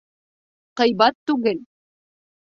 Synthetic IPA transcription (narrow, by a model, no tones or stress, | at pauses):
qɤ̆jβɑt̪ːʉɣɘl